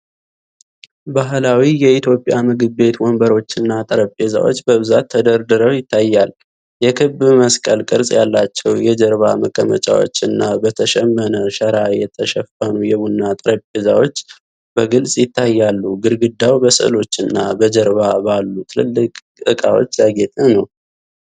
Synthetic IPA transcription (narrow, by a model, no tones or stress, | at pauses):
baɦlawijɛit̪ʰjo̞pʼːjamɨɡɨbːe̞t̪wombəɾo̞t͡ʃːɨnːat̪ʼɨɾəpʼeza̰wo̞̰t͡ʃːbəβɨzat̪ʰːəd̪əɾd̪ɨɾəwjɪt̪ʰːajːal | jɛkʰɨβməskʼəlkʼɨɾsʼjalːat͡ʃːɛwjɛd͡ʒəɾβaməkʼːəmə̰t͡ʃʼa̰wo̞̰t͡ʃːɨnːabət̪ʰəʃɛmːənəʃəɾajɛt̪ʰəʃɛfənujɛβunːat̪ʼɨɾəpʼːezawo̞t͡ʃː | bəɡɨlsʼjɪt̪ʰːajːalːuɡɨɾɡɨd̪awbəsɨ̰lo̞t͡ʃːɨnːabəd͡ʒəɾβabalːut̪ʰɨlɨ̰lːɨkʼ | t̪ʼɨkʼa̰wo̞̰t͡ʃːjaɡɛt̪ʼɨnəw